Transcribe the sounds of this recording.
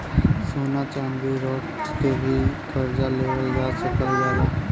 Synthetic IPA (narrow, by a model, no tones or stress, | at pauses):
soːnaːt͡ʃand̪iɾɔːtt̪eːbʱik̪əɾd͡ʒaːleːʋəld͡ʒaːsəkəlɡaːɦeː